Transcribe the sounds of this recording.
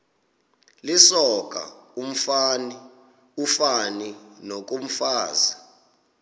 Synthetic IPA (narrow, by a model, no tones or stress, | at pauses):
lisɔk̬ʼa̰um̩fani | ufaninok̬ʼum̩faːza